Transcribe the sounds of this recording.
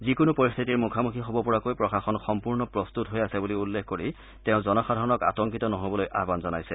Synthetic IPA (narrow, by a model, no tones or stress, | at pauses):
zikʊnupoɹist̪ʰitiɹmukʰamukʰixobɔpɔɹakojpɹɔkaxɔnxɔmpuɹnɔpɹɔst̪utɦojasɛbuliulːekʰkoɹi | tɛʊ̃zɔnɔxadʱaɹɔnɔka̰tɔŋkitɔnɔɦobɔlojʔa̰ɦbanzɔnajsɛ